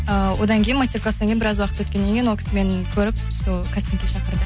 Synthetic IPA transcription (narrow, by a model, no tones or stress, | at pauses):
əwo̞d̪ɑŋkʲʰe̞jnmast̪ʲe̞rklˠasɑŋkʲejnbɪɾɑzwɑqət̪wɵt̪kʲenːe̞ŋkʲejnwokʰʲɪ̥sɪme̞ŋkʲʰɵɾɪp̚ | solˠkʰast̪eŋkʲeʃɑqəɾd̪ə